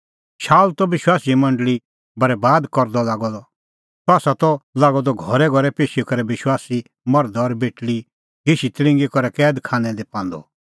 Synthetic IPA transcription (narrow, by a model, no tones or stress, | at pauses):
ʃaːlt̪ɔʋɪʃwaːsimɐ̃ɳɖəli | bɐɾɛbaːd̪kɔɾd̪ɔlaːɡɔd̪ɔ | saːsat̪ɔlaːɡɔd̪ɔɡʱɔɾɛɡʱɔɾɛpeːʃikɐɾɛbɪʃwaːsi | mɔɾd̪ɔɔːɾbeːʈli | ɡeʃit̪ɾɪ̃ŋɡikɔɾɛkɛːd̪kʰaːnɛ̃d̪epãːnd̪ɔ̰